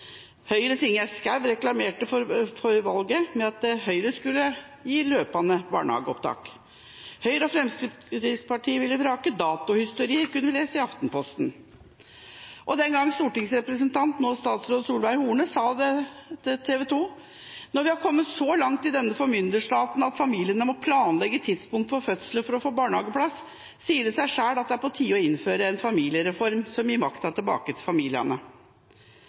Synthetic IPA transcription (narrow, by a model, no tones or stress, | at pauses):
hœʏɾət̪ʰɪŋːæskæʋɾɛklɑmeːʈəfɔɾfɔɾʋɑlɡəmɛɑt̪̚d̪ɛhœʏɾəskʉlːə | jiːløːpɑnəbɑ̰ːɳhɑ̰ːɡəɔpt̪ʰɑ̰ːk | hœʏɾəɔfɾɛmsk̪ə | ɾɪspʰɑʈʰiːəʋɪlːəbɾɑːkəd̪ɑːt̪ʊhɪst̪ʊɾiːəɾkʉnːəʋɪleːsəɪɑft̪n̩pʰɔst̪n | ʔɔd̪ɛnɡɑŋːst̪uːʈɪŋsɾɛpɾəsənt̪ʰɑnt̪noːst̪ɑːt̪sɾoːd̪əsuːlʋæɾhuːɳəsɑːd̪ɛ | t̪ʰeːʋɛt̪ʰuː | nɔɾʋɪhɑɾkʰɔmːət̪sɔlɑŋt̪ɪd̪ɛnːəfɔɾmʏnd̪əʂʈ̪ɑːt̪nɑt̪fɑmiːlɪənəmɔpʰlɑːnlɛɡːət̪ʰɪd̪spʊŋt̪fɔɾfœt̪sləfɔɾɔfoːbɑːɳhɑːɡəpʰlɑsː | iːəd̪ɛsæɪʂæːɽɑt̪̚d̪ɛæɾpɔt̪ʰiːɔɪnːføːɾəɛnfɑmiːlɪəɾɛfɔɾmsɔmjɪmɑkt̪ɑt̪ʰɪlbɑ̰ːkət̪ʰɪlfɑmiːlɪɑ̰nə